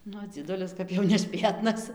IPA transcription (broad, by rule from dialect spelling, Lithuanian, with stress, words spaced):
ˈnʊ d͡zʲiɛˈdʊlʲɪs ˈkɐp jɛʊ nʲɛˈʃʲpʲeːtnɐs